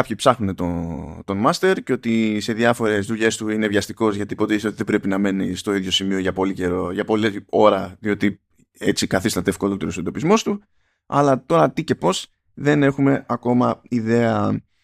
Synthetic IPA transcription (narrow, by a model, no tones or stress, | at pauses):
kɐpçipsɐxnune̞t̪ot̪o̞nmɐst̪e̞ɾceo̞t̪ise̞ðjɐfo̞ɾe̞zðuʎe̞st̪uine̞vʝɐst̪iko̞zʝɐt̪ipo̞t̪eiseo̞t̪iðe̞bɾe̞pinɐme̞nist̪o̞iðʝo̞simio̞ʝɐpo̞liceɾoʝɐpo̞leo̞ɾɐðio̞t̪i | e̞t͡sikɐθist̪ɐt̪eːfkolo̞t̪e̞ɾosend̪o̞pizmo̞st̪u | ɐ̰lɐt̪o̞ɾɐt̪ice̞po̞s | ðe̞ne̞xume̞ɐko̞mɐiðe̞ɐ